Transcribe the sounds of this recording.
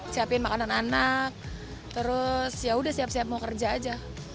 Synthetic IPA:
siapɪnmakanananak̚ | t̪əɾʊsjaudahsiap̚siap̚ŋaukərd͡ʒaːd͡ʒa

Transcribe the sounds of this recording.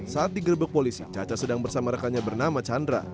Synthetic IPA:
saːt̪̚diɡərbək̚polisḭt͡ʃat͡ʃasədaŋbərsamaɾakaɲabərnamat͡ʃandɾa̰

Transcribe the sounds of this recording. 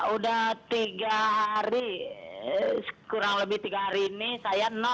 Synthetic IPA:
udaht̪iɡaɦaɾi | sə̥kuɾaŋləbɪht̪iɡaɦaɾiːnisajanɔ

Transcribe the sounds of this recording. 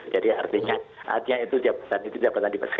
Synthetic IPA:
d͡ʒadia̰rt̪iɲaa̰t̪ɲait̪ud͡ʒapat̪anit̪ud͡ʒapat̪andipa̰sə̥k

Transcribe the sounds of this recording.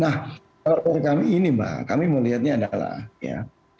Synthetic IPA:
nah | kalakaɾakamiːniba̰kamiməliɦat̪̚ɲaːdala̰hja̰

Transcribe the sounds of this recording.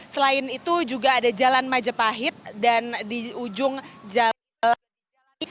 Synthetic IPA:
səlaɪnit̪ud͡ʒuɡaːdad͡ʒalanmad͡ʒapaɦɪt̪̚dandiud͡ʒʊŋd͡ʒa | l

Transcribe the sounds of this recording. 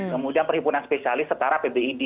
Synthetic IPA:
kəmudianpərhipunanspesialɪsːət̪aɾapebeidi

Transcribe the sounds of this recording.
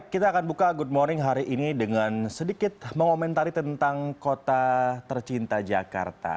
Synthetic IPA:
kit̪aːkanbukaɡud̚mɔrnɪŋɦaɾiʔinidəŋansədikɪt̪̚məŋomɛnt̪aɾit̪ənt̪aŋkot̪at̪ərt͡ʃint̪ad͡ʒaka̰rt̪a̰

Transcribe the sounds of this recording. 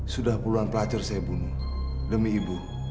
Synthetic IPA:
sudahpuluanpəlad͡ʒʊrsajabunʊh | dəmiːbuh

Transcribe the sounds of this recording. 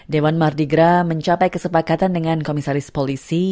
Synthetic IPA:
dewanmardiɡɾaməɲt͡ʃapajkəsəpakat̪andəŋankomisaɾɪspolisi

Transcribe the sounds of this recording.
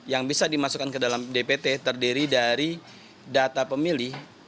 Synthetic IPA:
jaŋbisadimasukankədalamdepet̪et̪ərdiɾidaɾi | dat̪apəmilih

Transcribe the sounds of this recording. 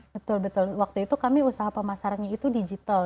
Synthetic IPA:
bət̪ʊlbət̪ʊlwak̚t̪uit̪ukamiusaɦapəmasaɾanɲait̪udid͡ʒit̪al

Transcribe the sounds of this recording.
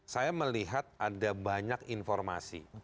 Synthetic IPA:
sajaməliɦat̪̚ʔadabaɲakinfɔrma̰sḭ

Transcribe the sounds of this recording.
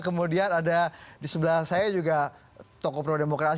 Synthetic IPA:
kəmudianadadisəbəlahsajad͡ʒuɡa | t̪okɔpɾodemokɾas

